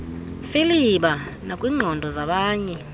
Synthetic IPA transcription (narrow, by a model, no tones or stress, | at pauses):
filiɓanakʼwiːŋ͡ǃʱɔndʱɔzaɓaːɲɛ